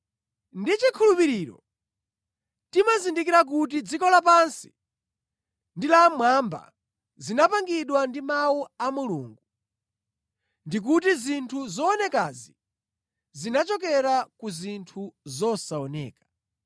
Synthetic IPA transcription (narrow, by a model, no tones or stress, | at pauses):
ndit͡ʃikʰulupiɾiɾɔ̰ | timazindik̬iɾak̬ut̬id͡zikɔlapansi̥ | ndilamwamba̰ | zinapaŋɡiɗwandimawuamulṵŋɡu | ndik̬utizintʰuzɔːnɛkazi | zinat͡ʃɔkɛɾakuzintʰuzɔsaɔnɛ̰ːkḁ